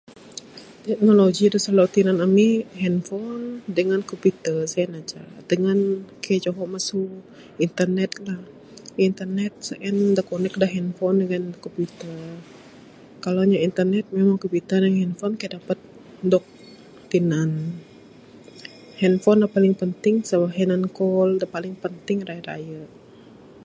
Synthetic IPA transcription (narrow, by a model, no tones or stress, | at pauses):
t̪ɛk̚noloɡid̪usalat̪inanamiɦɛnfɔndəŋankopit̪əsaɛnat͡ʃa̰dəŋankajat͡ʃoɦɔmasu | int̪ərnɛt̪̚lah | int̪ərnɛt̪̚saʔɛndakonɛk̚daɦɛnfɔndəŋankopit̪ə | kaloɲaint̪ərnɛt̪̚memaŋkopit̪ədəŋhɛnfɔnkajadapət̪̚ | dɔk̚ | t̪inan | hɛnfɔnlapalɪŋpənt̪ɪŋsəbaɦɛnankɔldapalɪŋpənt̪ɪŋraiɾa̰jə